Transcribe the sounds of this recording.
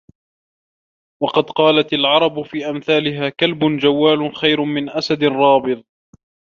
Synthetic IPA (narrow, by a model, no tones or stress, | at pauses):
wɑqɑd̪qɑːlat̪alʕɑɾˤɑbfiːʔamθaːlɪɦaːkalbʊnd͡ʒawːaːlʊxajɾʊmɪnʔasad̪ɪɾˤɑːbɨðˤ